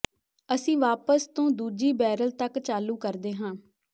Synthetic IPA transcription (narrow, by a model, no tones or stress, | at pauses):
əsĩːʋaːpəst̪õːd̪uːd͡ʒiːbɛːɾəlt̪əkt͡ʃaːluːkəɾd̪eːɦãː